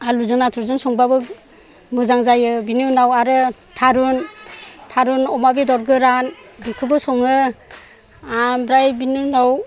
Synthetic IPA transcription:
aluzɯnatʰuɾzɯŋsɔŋbabɯ | mɯzaŋzajɯbinunawaɾɯ | tʰaɾuntʰaɾunɔmabidɔɾɡɯɾanbikʰɯbɯsɔŋɯ | ambɾajbinunaw

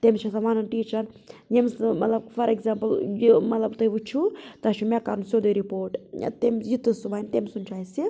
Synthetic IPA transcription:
t̪emt͡ʃʰɐsɐʋaːnɐnʈiːt͡ʃɐɾ | jemsmɐ̰t̪lɐbfɐɾeɡzampɐljmɐt̪lɐbt̪ɐjʋut͡ʃʰːut̪ɐʃimʲakaɾnusod̪ɐjɾipoːɾʈt̪emjit̪ːusuʋaːjnt̪emsunt͡ʃaːjsi

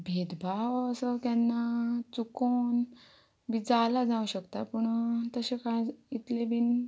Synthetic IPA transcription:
bʱed̪bʱaʋəsəkjanːat͡sukon | bid͡zalad͡zãuɕəkt̪apəɳt̪əɕekait̪lebʱin

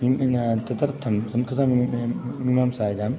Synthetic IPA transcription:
imt̪ɐd̪ɐɾt̪ʰɐmsɐmkʰɐzaːmmimaːmsaːid̪aːm

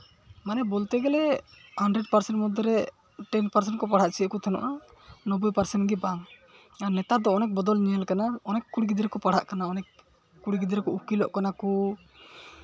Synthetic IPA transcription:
manɛbɔlt̪ɛɡɛlɛhaɳɖɾɛɖpaɾsɛɳʈmɔd̪ʱɔɾɛ | ʈɛnpaɾsɛɳʈkɔpaɽ̤aʔt͡ʃʰiəkut̪ʰɛnɔ̰ʔa | nɔbujpaɾsɛnɡibaŋ | aɾnɛt̪ad̪ɔɔnɛk̚bɔd̪ɔlniəlkanaɔnɛkːuɽɡid̪ɾɛkɔpaɽ̤a̰ʔkanaɔnɛkː | uɽiɡid̪ɾɛkɔukilɔʔkanaku

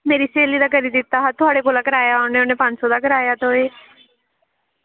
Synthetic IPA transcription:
meːɾiːseːliːd̪aːkəɾiːd̪ɪt̪ːaːɦat̪ʊaːɽeːkoːlaːkəɾaːjaːʊneːʊneːpə̃ɲd͡ʒsɔːd̪aːkəɾaːjaːt̪oːeː

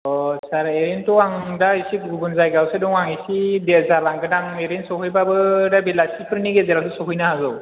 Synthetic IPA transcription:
ɔsaɾeɾentɔaŋdaisik̚ɡubunzajɡawsedɔŋaŋisidezalaŋɡɯdaŋeɾensɔɦɯjbabɯdabilasipʰɯɾniɡezaladɯsɔkɯjnaɦazɔw

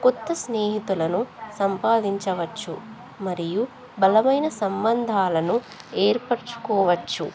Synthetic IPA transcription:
kɔt̪ːɐsneːɦit̪ulɐnusɐmpaːd̪iɲt͡ʃɐʋɐt͡ʃːu | mɐɾiju | bɐlɐmɐjnɐsɐmbɐnd̪ʱaːlɐnu | eːɾpɐɾt͡ʃu̥kɔːʋɐt͡ʃːu

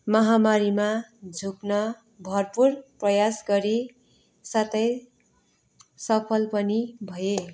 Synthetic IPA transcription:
mʌɦamaɾimad͡zʱuknʌ | bʱʌrpurprʌjasɡʌɾi | sat̪ʌj | sʌpʰʌlpʌnibʱʌje

